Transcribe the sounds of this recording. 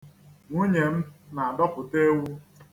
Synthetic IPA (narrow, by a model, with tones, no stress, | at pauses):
ŋu˦ɲe˨m̩˦na˨a˨dɔ˦pʊ˨te˦wu˦